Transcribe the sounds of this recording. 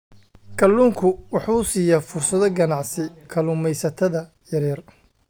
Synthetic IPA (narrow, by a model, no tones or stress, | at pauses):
kʰɐlːuːŋkʰʊwɑħuːsiːjɐfʊrsɐðɔɡɐnɑʕsɪkʰɐluːmɛjsɐt̪ʰɐðɐ | jɐɾɛːr